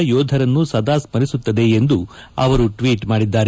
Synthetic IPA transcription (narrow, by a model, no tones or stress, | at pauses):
ɐjoːd̪ʱɐɾɐnːusɐd̪ʱaːsmɐɾisut̪ːɐd̪eend̪uɐ̰ʋɐɾuʈʋiːʈmaːɽid̪ːaːɾe